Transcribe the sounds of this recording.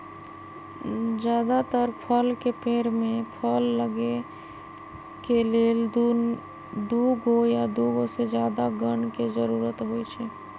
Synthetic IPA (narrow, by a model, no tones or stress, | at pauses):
d͡ʒjaːd̪at̪əɾpʰəlkepeːɾmẽpʰəlːəɡe | keleːl | d̪uɡɦojad̪uɡosed͡ʒjaːd̪aɡəɳked͡ʒəɾuːɾət̪ɦojt͡ʃʰɛ